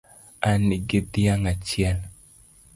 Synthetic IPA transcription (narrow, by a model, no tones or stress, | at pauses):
aniɡɪd̪jaŋat͡ʃɪɛl